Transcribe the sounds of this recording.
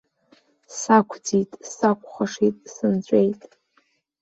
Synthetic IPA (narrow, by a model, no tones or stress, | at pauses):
sakʷʰd͡zitʼsakʷʰʼχaʂitʼsɨnt͡ɕʷʼejtʼ